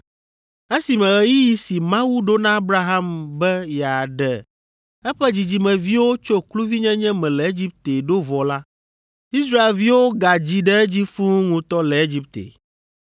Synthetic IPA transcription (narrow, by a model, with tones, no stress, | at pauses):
e˦si˨mɛ̃˨ɣɛ˨ji˦ji˦si˨mã˦wu˦ɖo˦nã˦a˦bɾa˦ɦã˦mbɛ˦ja˨ɖɛ˨ | ɛ˦ɸɛ˦d͡ʑi˨d͡ʑi˨mɛ̃˨vi˦wo˦t͡ʃo˦klu˦vi˦ɲɛ̃˦ɲɛ̃˦mɛ̃˨lɛ˨e˦d͡ʑi˦p̚t̪e˨ɖo˦vɔ˨la˦ | i˦sɾa˦e˨lvi˦wo˦ɡa˨d͡ʑi˦ɖɛ˦ɛ˦d͡ʑi˦fũ˦ŋũ˨t̪ɔ˦lɛ˨e˦d͡ʑi˦p̚t̪ḛ˨